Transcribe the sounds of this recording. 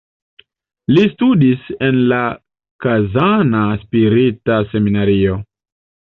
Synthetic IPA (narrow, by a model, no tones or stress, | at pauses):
listudisenla | kazanaspiɾitase̞minaɾio̞